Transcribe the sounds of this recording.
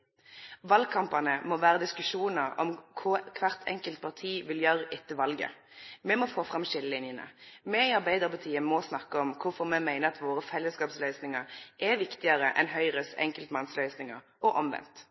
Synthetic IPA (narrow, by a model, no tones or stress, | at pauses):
ʋɑlɡ̚kʰɑmpɑnəmɔʋæːɾəd̪ɪskʉʂuːnəʁɔ̰mkʰʊkʰʋæʁt̪ʰɛ̰ŋkəlt̪̚pʰɑʁt̪ʰiːʋɪljœɾɪt̪ːəʋɑlɡə̰ | mɛmɔfoːfʁɑmʃɪlːəlɪnjənə̰mɛiɑʁbæɪd̪əʁpɑt̪ʰiːəmɔsnɑkːəɔmkʰʊfɔʁmɛmæɪnəɑt̪ʋoːʁəfɛlːəskɑːpslœʏsnɪŋəʁʔɛʋɪkt̪ɪəɾəʔɛ̰nɦœʏʁəsɛ̰ŋkəlt̪mɑnslœʏsnɪŋəɾ | ʔɔʔɔmʋɛ̰nt̪